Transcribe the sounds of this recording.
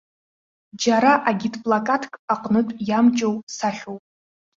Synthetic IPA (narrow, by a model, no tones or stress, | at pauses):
d͡ʒaɾaʔaɡʲitʼpʼlakʼatʰkʼaqʼnɨtʼjamt͡ʃʼowpsaχʲowpʼ